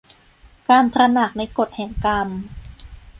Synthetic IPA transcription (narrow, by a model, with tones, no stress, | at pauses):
kaː˧nt̪ʰɾa˧na˨˩k̚na˧jko˨˩t̪̚hɛː˨˩ŋka˧m